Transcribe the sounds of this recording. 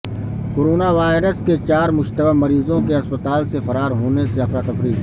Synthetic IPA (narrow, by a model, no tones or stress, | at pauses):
koːɾoːnaʋaːɪɾəsket͡ʃaːɾmʊʃt̪əbamɐɾiːzõkeɐspət̪aːlsefɐɾaːɾɦoːneseɐfɾaːt̪ɐfɾiː